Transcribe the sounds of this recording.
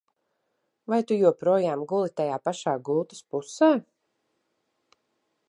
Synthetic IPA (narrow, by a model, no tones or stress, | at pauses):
vajt̪ujuɔpɾuɔjaːmɡulˠit̪ajaːpaʃaːɡulˠt̪ḁspusaː